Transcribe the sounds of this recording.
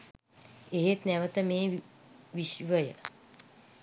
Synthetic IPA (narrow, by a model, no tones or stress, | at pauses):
eɦet̪nɛʋət̪əmeːʋiʃʋəjə̰